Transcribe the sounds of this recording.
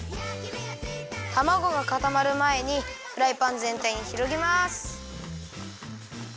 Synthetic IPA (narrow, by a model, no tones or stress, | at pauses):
t̪amaɡo̞ɡakat̪amaɾɯ̟mae̞ɲ̟iɸɯ̟ɾaipãnd͡zẽ̞nt̪aiɲ̟içiɾo̞ɡʲimasɨ̥